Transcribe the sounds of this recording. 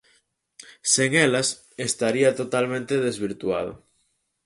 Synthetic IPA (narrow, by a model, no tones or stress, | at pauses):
seŋelas | est̪aɾiat̪ot̪almẽnt̪eðezβ̞iɾt̪uað̞o̰